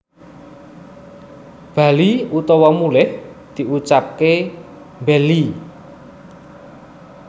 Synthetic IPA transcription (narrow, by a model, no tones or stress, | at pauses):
b̥a̤liut̪ɔwɔmulɪhd̪̥i̤ut͡ʃap̚ke | mbɛli